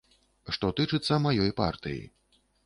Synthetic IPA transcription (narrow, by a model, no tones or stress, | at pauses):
ʂt̪ɔt̪ɨt͡ʂɨt̪sːɐmajɔjpa̰rt̪ɨ̰jḭ